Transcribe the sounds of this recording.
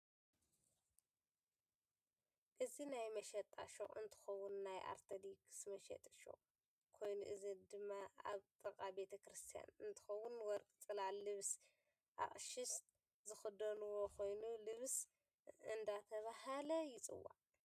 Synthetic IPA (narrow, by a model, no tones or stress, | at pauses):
ʔɨzinajmɐʃɐt̪ʼa̰ʃo̰ʔɨ̰nt̪ʰɨ̥xɐwunːajʔa̰ɾt̪ʰɐd̪iksmɐʃɛ̰t̪ʼʃo̰ | kʰo̞jnṵʔɨzid̪ɨmːaa̰βt̪ʼɨkʼabe̞t̪ʰɐkɾɨst̪ʰija̰nɨnt̪ʰɨ̥xɐwːunwɔɾkʼɨt͡sʼɨlalɨβs | ʔa̰χʼʃɪst̪ | zɨxɨd̪ɐnuwokʰo̞jnulɨβs | ɨnd̪at̪ʰɐβahalɐjɪt͡sʼɨ̰wːa̰